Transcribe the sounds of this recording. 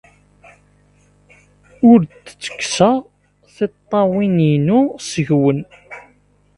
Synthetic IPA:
ʊɾt̪t͡sːə̥kːsəʁ | θɪt̪ˤːɑwininusəʝwən

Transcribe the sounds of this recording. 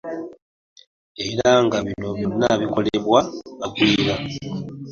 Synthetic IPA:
e̞ɾaŋɡaβino̞βjonːaβiko̞leβwaβaɡwiːɾa

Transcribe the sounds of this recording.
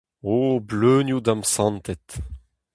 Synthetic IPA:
obløːnjud̪amsɑ̃nt̪ɛt̪

